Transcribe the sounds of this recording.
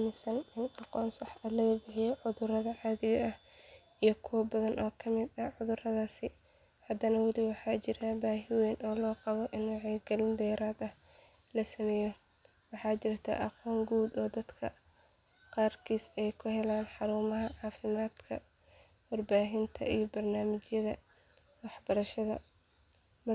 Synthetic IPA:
amɪsɐnɪnɑqɔːnsɑħɐlɐɣɐbɪħɪjɛʕʊðʊrɐðɐʕɑːðɪɣɐʔɐh | ijɔkʰɔːbɐðɐnʔɔːkʰɐmɪd̪ɐʕʊðʊrɐðaːsɪ | hɐd̪ɐnɐwɑlɪwɑħɑːt͡ʃɪɾabaːɦɪwɛːnʔɔːlɔːqɑβɔʔɪnwɑʕɛɡɐlɪnd̪ɛːɾaːd̪ɐh | lɐsɐmɛːjɔ | wɑħɑːt͡ʃɪrt̪ʰɐ̰ʔɑqɔːŋɡuːd̪ɔːd̪ɐd̪kʰɐ | qɑːrkʰiːsɛjkʰʊhɛlaːnħɑɾuːmɐɦɐʕɑːfɪmaːd̪kʰɐ | wɑrbaːɦɪnt̪ʰɐ̰ʔijɔbɐrnaːmɪt͡ʃjɐðɐ | wɑħbɐɾɐʃɐðɐ̰

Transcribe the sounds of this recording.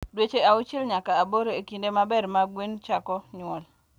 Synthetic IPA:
dwet͡ʃeaʊt͡ʃɪlɲakaːboɾeekindemabɛrmaɡwint͡ʃakɔɲʊɔl

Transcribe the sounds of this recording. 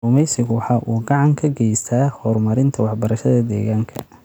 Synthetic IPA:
ʊmɛjsɪɣʊwɑħɑːʔuːɡɑʕɑŋkʰɐɡɛjst̪ʰaːhɔːrmɐɾɪnt̪ʰɐwɑħbɐɾɐʃɐðɐd̪ɛ̰ːɣaːŋkʰɐ̰

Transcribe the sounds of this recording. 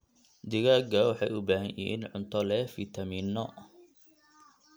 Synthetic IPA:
d̪ɪɣaːɡɐwɑħɑjʔʊbaːɦɐjʔḭɪnʕʊnt̪ʰɔlɛfit̪ʰɐminːɔ

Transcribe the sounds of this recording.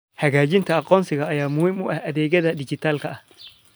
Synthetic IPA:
hɐɡaːd͡ʒɪnt̪ɐɐqʼːɔːnsɪɡɐːjaːmʊhɪmʊʔɐʔɐd̪ɛːɡɐd̪ɐdɪd͡ʒɪt̪alkɐa

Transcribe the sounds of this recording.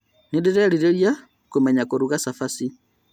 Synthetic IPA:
nidiɾɛaliɾɛɾja | kumɛɲakuɾuɣasafasi

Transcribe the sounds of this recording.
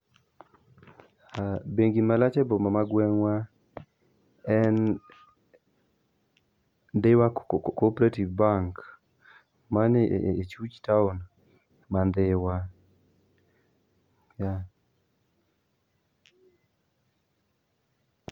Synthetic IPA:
abeŋɡimalat͡ʃɛbɔmamaɡwɛŋwa | ɛn | dɪwakopɾativbaŋk | manet͡ʃut͡ʃtaʊn | mandɪwa | ja

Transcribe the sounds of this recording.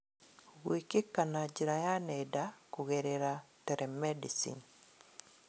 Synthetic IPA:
ɡwikekːanad͡ʒiɾajanɛdakuɣɛɾeɾatɛɾɛmɛdisḭn

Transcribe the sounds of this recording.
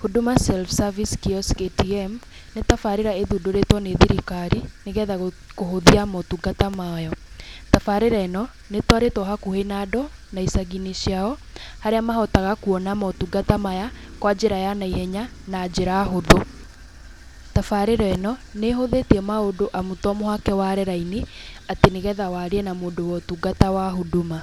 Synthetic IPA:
hodomasɛlfsaviskiɔsketiɛm | netafaɾeɾaeðudoɾetwɔneðiɾikaɾineɣɛða | koɦoðiamɔtuɡatamajɔtafaɾeɾaɛnɔ | netwaɾetwɔɦakuhenadɔnaisaɣiniɕjaɔ | haɾeamahɔtaɣakuɔnamɔtuɡatamajakwad͡ʑeɾajanaihɛɲanaːd͡ʑeɾaːɦodo | tafaɾeɾɛnɔneɦoðetiɛmaodoʔamutɔmohakɛwaɾɛɾaineateneɣɛːðawaɾeɛnamoːndowɔtuɡatawaɦoduma

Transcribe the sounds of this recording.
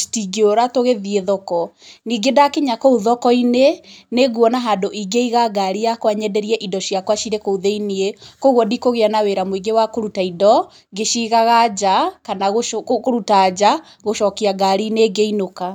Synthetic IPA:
tiɡeoɾatoɣeðieðɔkɔniːɡedakeɲakouðɔkɔineneɣuɔnaɦadoʔiɡeiɣaɡaɾijakwaɲɛdɛɾiɛʔidɔʃiakwaʃiɾekouðeiniekoɣwɔdikoɣeanaweɾamoiɡewakoɾutaidɔ | ɡeʃiɣaɣad͡ʑakanaɣokoɾutad͡ʑa | ɣoʃɔkiaɡaɾineɡeinoka

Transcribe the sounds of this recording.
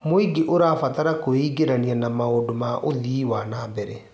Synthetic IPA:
moiɡeʔoɾafataɾakoiːɡeɾanianamaodomaʔoðiːwanaːbɛɾɛ

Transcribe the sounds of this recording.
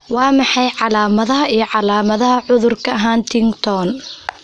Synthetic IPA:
wɑːmɑħɑjʕɑlaːmɐðɐɦɐʔijɞʕɑlaːmɐðɐɦɐʕʊðʊrkʰɐɐɦaːnt̪ʰɪŋɡt̪ʰɔn

